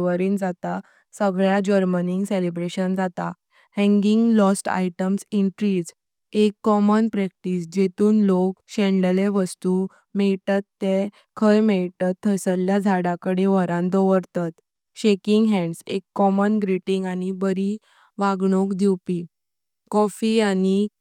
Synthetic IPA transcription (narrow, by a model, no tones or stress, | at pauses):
ʋəɾiːnd͡zat̪a | səɡɭjad͡ʑəɾməniŋɡselebɾeɕənd͡zat̪a | hɛ̃ŋɡiŋɡlɔsʈa̰jʈəmsiɳʈɾiːd͡z | ekːɔmənpɾɛk̚ʈisd͡ʑet̪uːnlokɕɛ̃ɳɖəleʋəst̪u | mɛɭt̪at̪ːe | kʰəjmɛɭt̪at̪ʰːəsəljad͡zʱaɽãkəɽeʋəɾãnd̪ɔʋəɾt̪at̪ | ɕekiŋɡɦɛ̃ɳɖsekːɔmənɡɾiʈiŋɡañibəɾi | ʋaɡɳokd̪iwpi | kɔfiani